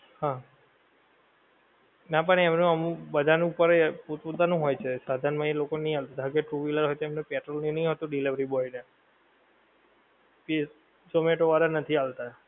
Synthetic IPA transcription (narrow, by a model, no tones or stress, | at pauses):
hã | nap̬əɳ̃eːmnũəmũbəd̪ʱanũupəɾput̪put̪anũɦojt͡ʃʰesad̪ʱaɾnmãelokonəĩalt̪ad̪ʱəɡeʈɾuʋiləɾɦojt̪oemnepɛʈɾəlninəĩɦot̪uɖiliʋəɾibɔine | pi | someʈoʋaɾanət̪ʰialt̪a